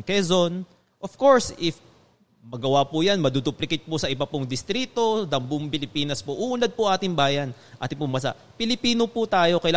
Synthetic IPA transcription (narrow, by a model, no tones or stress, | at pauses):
kɛzon | ʔofko̞ɹsɪf | mɐɡɐwapʊjanmɐd̪uːd̪uplɪkɪt̪̚pʊsɐʔɪbɐpʊŋd̪ɪst̪ɾiːt̪o̞d̪ɐmbʊŋpɪlɪpiːnɐspoʔuʔːnɐd̪̚pʊʔaːt̪ɪŋbaːjɐn | ʔa̰ːt̪ɪpʊŋbɐs̬a̰ʔ | pɪlɪpiːnopʊt̪aːjo̞kɐjla